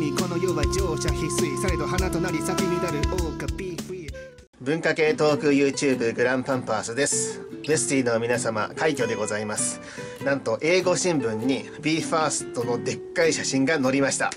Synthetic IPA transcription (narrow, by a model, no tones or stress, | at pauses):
iko̞no̞joβad͡ʑo̞ːɕaçisɨisaɾed̪oɦanat̪o̞naɾʲisakemʲinaɾɯ̟ʔoːkɯbʲi | bɯ̟̃ŋkake̞ːt̪o̞ːkɯ̟jɯ̟ːt͡ɕɨːbɯ̟ɡɯ̟ɾãmpãmpaːsɨd̪e̞sɨ̥ | be̞sɨ̥t̪ʲinomʲinasama̰kaikʲo̞d̪e̞ɡo̞zaimasɨ̥ | nãnt̪o̞ʔe̞ːɡo̞ɕĩmbɯ̟̃ɲ̟ːi | bʲiːɸaːsɨ̥t̪o̞no̞d̪e̞kːaiɕaɕĩŋɡano̞ɾʲimaɕi̥t̪a̰